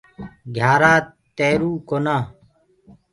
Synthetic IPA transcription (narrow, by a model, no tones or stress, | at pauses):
ɡʱjaːɾaː | t̪eːɾuːkonaː